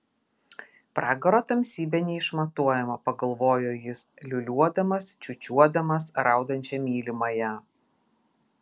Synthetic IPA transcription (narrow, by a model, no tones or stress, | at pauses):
pɾɑːɡɐɾoːt̪ɐmʲsʲiːbʲɛnʲɛɪʃmɐt̪uɔjɛmɐpɐɡɐlˠʋoːjoːjɪslʲʊlʲuɔd̪ɐmɐst͡ʃʲʊt͡ʃʲuɔd̪ɐmɐsɾɑˑʊd̪ɐnʲt͡ʃʲɛmʲiːlʲɪmɐjɛ